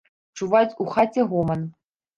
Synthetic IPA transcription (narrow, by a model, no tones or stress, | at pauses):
ʈ͡ʂuvatʲuxatʲeɣomən